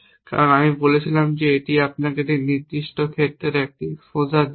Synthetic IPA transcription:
ka̰ɾonamibolet͡ɕʰilamd͡ʑeeʈiapnaked̪iniɾd̪iʃʈokʰet̪ːɾeɾek̚ʈifod͡ʑa

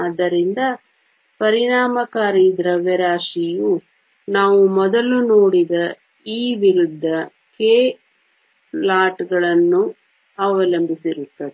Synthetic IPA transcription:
ɐd̪ːɐɾind̪ɐ | pɐɾiɳaːmɐkaːɾid̪ɾɐʋːɛɾaːʂiju | naːʋumɔd̪ɐlunoːɽid̪ɐ | iːʋiɾud̪ʱːɐ | keː | laːʈɡɐɭɐnːu | ɐʋɐlɐmbʱisiɾut̪ːɐd̪e

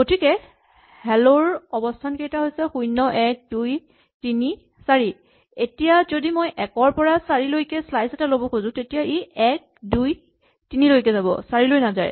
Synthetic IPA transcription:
ɡotʰikɛ | hɛloɹɔbɔstʰankejtaɦojsɛxujnːɔʔɛk̚duj | tini | saɹi | etijazodimojʔɛkɔɹpɔɹasaɹilojkɛslajsɛtalobɔkʰozʊ̃tetijaʔiɛk̚duj | tinilojk̬ɛzabɔ̰saɹilojnaza̰j

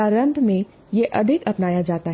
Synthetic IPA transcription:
aːɾə̃nd̪ʱmẽ | jeʔɐd̪ʱɪkɐpnaːjad͡ʒaːt̪aɦ

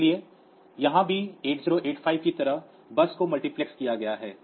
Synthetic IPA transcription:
lie | jɐɦãbʱieːʈziːɾoʔeːʈfʰaːɪʋkit̪ɐɾəɦ | bɐskomɐlʈiplekskijaɡɐjaɦɛː

